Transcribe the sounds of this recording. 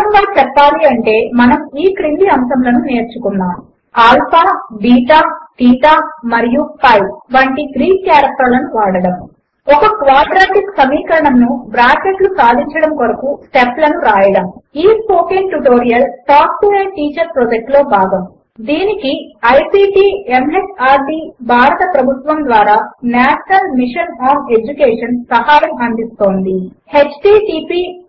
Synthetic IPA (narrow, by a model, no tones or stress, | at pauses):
ɐmbɐjt͡ʃɛpːaːliɐɳʈe̞ːmɐnɐmiːkɾind̪iɐmsɐmlɐnune̞ːɾt͡ʃukunːaːm | aːlpʰaːɖiːʈaːʈiːʈaːmɐɾijupɐjʋɐɳʈiɡɾiːnkjaːɾɐk̚ʈɐɾlɐnuʋaːɽɐɽɐm | ɔkɐkʋaːɖɾaːʈiksɐmiːkɐɾɐɳɐmnubɾaːkeʈlusaːd̪ʱiɲt͡ʃɐɽɐmkoɾɐkusʈeplɐnuɾaːjɐɽɐmiːspoːkenʈuʈo̞ːɾijɐlʈaːk̚ʈueːʈiːt͡ʃɐɾpɾod͡ʒɐk̚ʈlo̞ːbʱaːɡɐm | d̪iːnikiɐjpiːʈiːemesaːɾɖiːbʱaːɾɐt̪ɐpɾɐbʱut̪ʋɐmd̪ʋaːɾaːnaːʃɐnɐlmiʂɐnaːne̞d͡ʒukeːʂɐnpɾɐhaːjɐmɐnd̪ist̪o̞ːnd̪i | he̞t͡ʃʈiːʈiːpiː